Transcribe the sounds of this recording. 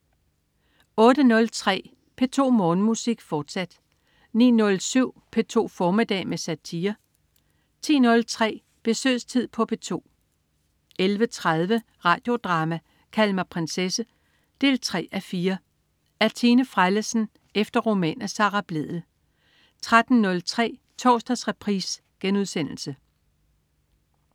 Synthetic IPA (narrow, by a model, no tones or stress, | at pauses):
ɔ̽ːd̥ənɔ̽lt͡sʰʁɛ̰ː | pʰe̝t͡sʰo̝̰ːmɔ̽ːnəmusiɡ̥fɒːd̥sæd̥ | nḭːnɔ̽lsyʊ̰pʰe̝t͡sʰo̝̰ːfɒːmed̥ɛ̰ːmesæt͡sʰiːɐ | t͡sʰḭːnɔ̽lt͡sʰʁɛ̰ː | b̥e̝sø̰ːst͡sʰið̰ˠpʰɒ̽pʰe̝t͡sʰo̝̰ː | elʋət͡sʰʁaðˠʋə | ʁɑ̈ːd̥jo̝d̥ʁɑ̈ːmæ | kʰælmæpʰʁansesə | d̥e̝̰ːlt͡sʰʁɛ̰ːæfiːɐ | æt͡sʰinəfʁaɪləsn̩ | efd̥ɐʁo̝mɛ̰ːnɐsɑ̈ʁɑ̈b̥le̝ð̩ˠ | t͡sʰʁad̥n̩nɔ̽lt͡sʰʁɛ̰ː | t͡sʰɒ̰ːsd̥ɐsʁɛpʰʁḭːs | ɡ̥enuð̞ˠsen̰l̩sə